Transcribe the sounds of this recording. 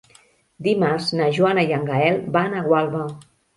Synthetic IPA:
d̪imaɾznaʒuanajaŋɡaɛlˠbanaɣwalˠβa

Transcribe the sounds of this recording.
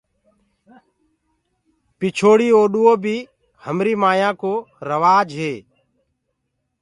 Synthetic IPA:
pɪt͡ʃʰoːɽiːoːɗuːoːbʱiː | həmɾiːmaːjãːkoːɾəʋaːd͡ʒɦeː

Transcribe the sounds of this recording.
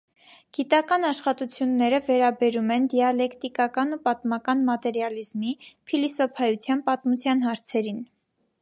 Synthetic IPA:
ɡ̥it̪ɑkɑnɑʃχɑt̪ut͡sʰjunːɛɾəvɛɾɑbɛɾumɛnd̪iɑlɛkt̪ikɑkɑnupɑt̪mɑkɑnmɑt̪ɛɾjɑlizmipʰilisɔpʰɑjut͡sʰjɑnpɑt̪mut͡sʰjɑnɦɑɾt͡sʰɛɾin

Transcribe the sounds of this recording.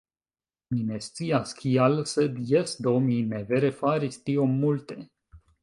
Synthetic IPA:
minest̪sijaskʲʰialsəd̪jesd̪omineveɾefaɾist̪iomult̪e

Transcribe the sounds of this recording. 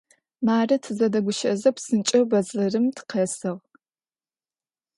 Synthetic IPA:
maːrɐtʰɨzɐdɐɡʷʊʃɐzɐpsɨnt͡ʃʼɐwbɐzɮɐrɨmtʰqʰɐsɨʁ

